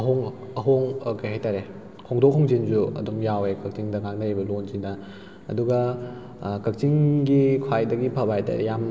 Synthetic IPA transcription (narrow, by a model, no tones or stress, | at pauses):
ɐɦoŋ | ɐɦoŋkɐjɦajtaɾe | kʰoŋdok̚ɦoŋzinzuɐ̰dumjawekɐk̚t͡ʃiŋdɐɡaŋnɐɾibɐlonzinɐ̰ː | duɡɐ | kɐk̚t͡ʃiŋɡikʰwajdɐɡipʰɐbajda̰jam